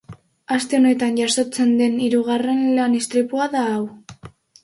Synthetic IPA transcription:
ast̪e̞o̞ne̞t̪anʝaso̞t͡se̞nd̪e̞niɾuɣ̞are̞nlanist̪ɾipuaðaːw

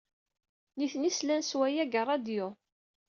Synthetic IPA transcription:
niθnislænswæjæɡərˤːɑd̪jʊ

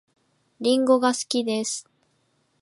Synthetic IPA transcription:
ɾʲĩŋɡo̞ɡasɨ̥kʲid̪e̞sɨ̥

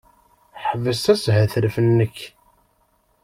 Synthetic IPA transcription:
ħəvəst̪æshæθəɾfənːəç

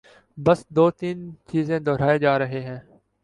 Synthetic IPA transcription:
bəsd̪oːt̪iːnt͡ʃiːzẽːd̪ɔːɾaːeːd͡ʒaːɾəɦeːɦɛ̃ː

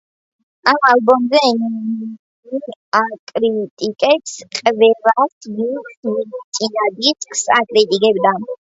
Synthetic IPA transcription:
amalbɔmzɛn | iakʼɾit̪ʼikʼɛpsqʼvɛlasmismit̪sʼinad̪it̪ʼkʼsakʼɾit̪ʼikʼɛbd̪a

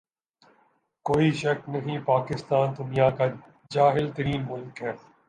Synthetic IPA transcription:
koːiʃɐknɐɦĩpaːkɪst̪aːnd̪ʊnijaka | d͡ʒaːɦɪlt̪ɐɾiːnmʊlkɦɛː

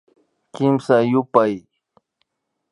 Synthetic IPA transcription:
kɪmsajʊpaj

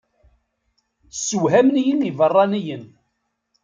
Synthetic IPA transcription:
səwɦæmnijinivərˤːɑnijən

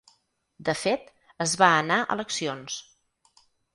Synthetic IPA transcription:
d̪əfet̪ | əzβaənaʔə̰ləksions

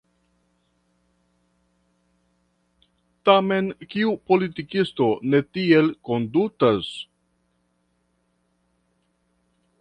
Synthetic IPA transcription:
tame̞nkiupo̞litikisto̞ne̞tie̞lko̞ndutas

